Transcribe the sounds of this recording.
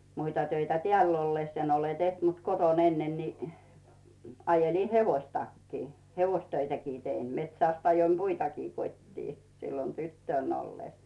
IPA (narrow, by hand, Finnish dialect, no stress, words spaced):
muitɑ tøitæ teæˑlː olːes en ole teht mut koton enːen ni ɑjeliˑ heʋoistɑkːiː heʋoistøitækiː tein metsæˑst ɑjoim puitɑkiː kotʲtiː silːon tytːøˑn olːes